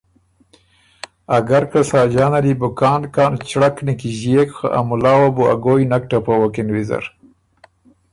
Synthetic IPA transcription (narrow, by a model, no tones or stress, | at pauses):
aɡaɾkasɑːd͡ʒɑːnaɾibʊkɑːnkɑːnt͡ʃɽaknikiʒekxa̰ʔa̰mulɑːwabua̰ɡojnak̚ʈapowokɪnwiza̰ɾ